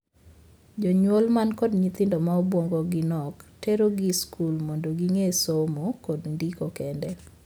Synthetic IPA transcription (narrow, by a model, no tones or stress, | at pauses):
d͡ʒɔɲwolmankɔdɲit̪ɪndɔmaobwoŋɡoɡɪnɔkteɾoɡiskulmondoɡiŋesomokɔdndikokɛndɛ